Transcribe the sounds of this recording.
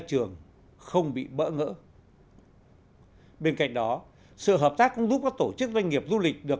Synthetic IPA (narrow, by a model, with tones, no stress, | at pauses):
t͡ɕɨ˨˩əŋ | xə˧wŋ͡mɓḭ˧˨ɓə̰ː˧˥ŋə̰ː˧˥ | ɓe˧nka̰˧˨jŋ̟̚ɗɔ˨˦ | sɨ̰˧˨ɦəː˨˩p̚t̪aː˦˥kːʊ̰˧˥ŋ͡mzu˦˥p̚kɔː˨˦˥t̪o˧˩t͡ɕɨ˦˥k̚zwa˧ŋ̟ŋi˨˩əp̚zu˧lï˨˩k̟̚ɗɨ˨˩ək